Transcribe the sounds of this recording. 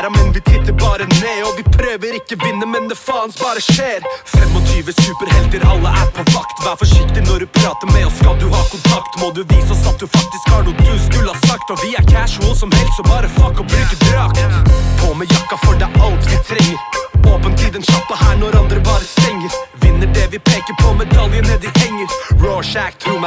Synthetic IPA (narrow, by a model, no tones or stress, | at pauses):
ɾɑmɛnʋɪt̪ʰɪt̪ːəɾbɑːɾəneːɔʋɪpʰɾøːʋəɾɪkːəʋɪnːəmɛnd̪ɛfɑːənsbɑːɾəʂeːɾfɛmːɔt̪ʰyːʋəsʉːpəɾhɛlt̪əɾɑlːəʔæɾpʰɔʋɑkt̪ʋɑɾfɔʂɪkt̪ɪnɔɖʉpʰɾɑːt̪əmɛɔskɑld̪ʉhɑːkʰʊnt̪ʰɑkt̪mɔd̪ʉʋiːsɑsɑt̪̚d̪ʉfɑk̚t̪ɪskhɑːnuːt̪ʰʉːsnʉlɑsɑkt̪ɔʋɪæɾkʰæʂəlsɔmhɛlst̪sɔbɑːɾəfɑkːɔbɾʉːkəbɾøːkt̪pʰɔmɛjɑkːɑfɔɖæʔɑlt̪ʋɪt̪ʰɾɛŋːəɾoːpənt̪ʰiːd̪ənʃɑp̪ːəhæːnɔɾɑnd̪ɾəbɑːɾət̪ʰɾɛŋːəɾʋɪnːəɖɛʋɪpʰeːkəɾpʰɔmɛd̪ɑljənəd̪ɪhɛŋːəɾɹɔʂækt̪ʰɾuːm